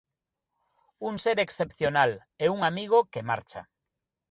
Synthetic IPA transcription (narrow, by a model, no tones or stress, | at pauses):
uŋseɾeksθepθjonal | euŋamiɣ̞okema̰ɾt͡ʃa̰